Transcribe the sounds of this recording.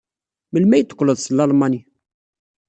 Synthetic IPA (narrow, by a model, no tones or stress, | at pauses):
məlmæjt̪ːkləd̪slːɑlmɑni